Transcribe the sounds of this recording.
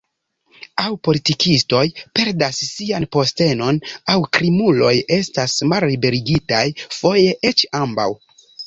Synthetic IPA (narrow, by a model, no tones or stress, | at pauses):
awpo̞litikʰisto̞jpe̞ɾdasːianpo̞ste̞no̞nawkɾimulo̞je̞stasmallibe̞ɾiɡitajfo̞jeʔe̞t͡ʃamba̰w